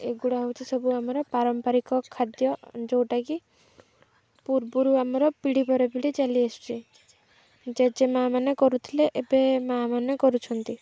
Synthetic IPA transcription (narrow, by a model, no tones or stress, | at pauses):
eɡuɽaɦowt͡ʃʰisɔbuamɔɾɔpaɾɔmpaɾikɔkʰːad̪jɔd͡ʒowʈaki | puɾbuɾuamɔɾɔpiɽipɔɾepiɽit͡ʃaliest͡ʃʰi | d͡ʒed͡ʒemamanekɔɾut̪ʰileʔebemamanekɔɾut͡ʃʰɔnt̪i